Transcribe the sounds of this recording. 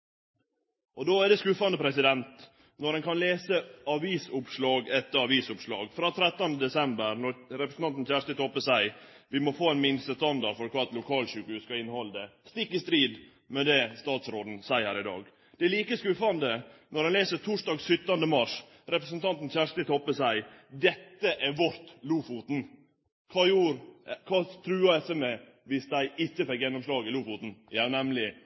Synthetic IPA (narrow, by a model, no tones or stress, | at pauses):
ɔd̪oːæɖɛskʉfɑnd̪əpʰɾɛsɪd̪ɛnt̪ | nɔɾɛnkʰɑnleːsəɑʋiːsʊpʂlɑːɡɛt̪ːəɾɑʋiːsʊpʂɭɑ̰ːɡfɾɑːt̪ʰɾɛt̪ːɑnd̪əd̪ɛsɛmbəɾnɔɾɾɛpɾəsn̩ɑnt̪n̩çæːʂt̪ət̪ʰɔːpəsæɪ | ʋɪmɔfoːæɪnmɪnst̪əst̪ɑnd̪ɑɖfɔɾkʰɑt̪lʊkʰɑːlʃʉːkʉːskɑɪnhɔld̪ɛst̪ɪkːɪst̪ɾiːd̪ | mɛd̪ɛst̪ɑːt̪sɾoːd̪n̩sæɪəɾɪd̪ɑ̰ːɡ | d̪̥ɛliːkəskʉːfɑnd̪ənɔɾɛnleːsət̪ʰuʂdɑːɡsʏt̪ːɑnd̪əmɑʂ | ɾɛpɾəsənt̪ʰɑnt̪n̩çæʂt̪ɪt̪ʰɔpːəsæɪd̪ɛt̪ːəʔæɾʋɔɾt̪luːfut̪n̩ | kʰɑːjuːɾkʰɑːt̪ʰɾʉːɑɛsɛme | ʋɪsd̪æɪɪçːəfɛkjɛnːɔmslɑːɡɪluːfut̪n̩jænɛmlɪ